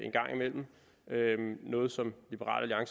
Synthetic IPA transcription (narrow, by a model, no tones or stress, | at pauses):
e̝nɡ̥ɑ̈ŋ̰imel̰m̩ | ønɔ̽ːð̞̩ˠsɒ̽mlib̥əʁɑ̰̈ːl̰ʔæliɑ̈ŋs